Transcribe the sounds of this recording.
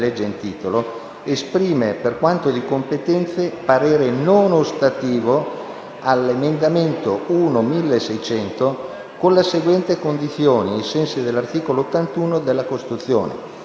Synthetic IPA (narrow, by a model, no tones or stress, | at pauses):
lɛd͡ʒːeint̪iːt̪olo | espɾiːmeperkwant̪od̪ikompet̪ɛnt̪sepaɾɛːɾenonost̪at̪iːvo | alːemend̪ament̪ouːnomilːesɛjt͡ʃɛnt̪o | konleseɡwɛnt̪ekond̪it̪sːjoːniejsɛnsid̪elːart̪iːkoloːt̪ːant̪uːnod̪elːakost̪i̥t̪ut̪sːjo̰ːnḛ